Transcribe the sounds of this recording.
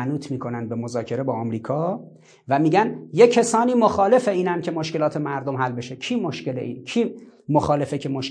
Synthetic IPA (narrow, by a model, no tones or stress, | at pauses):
nuːt̪ʰmiːkʰo̞nænd̪̚be̞mozɒːcʰe̞ɾe̞bɒːɒːmɾiːkʰɒː | væmiːɟænjecʰesɒːniːmoxɒːlefeiːnæncʲʰe̞moʃkelɒːt̪ʰe̞mæɾd̪omhælbe̞ʃekʰiːmoʃce̞leʔḭːnkʰiːmoxɒːle̞fecʰe̞moʃ